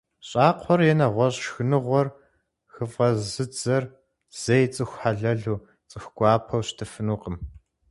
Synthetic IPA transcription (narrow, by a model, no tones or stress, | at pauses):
ɕʼɑːqʷʰɔrjɛnɐʁʷɔɕʼʃxɨnɨʁʷɔr | xɨvʁɐzɨd͡zɐr | z̥ejt͡sʼɨxʷħaɮɐɮuː | t͡sʼɨxʷɡ̥ʷʼɑːpʰɐwɕtʰɨfɨnuːqəm